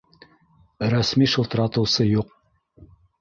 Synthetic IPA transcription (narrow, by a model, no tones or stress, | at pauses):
ɾæsmiʃɤlˠt̪ɾɑt̪ɤ̆wsɤjuq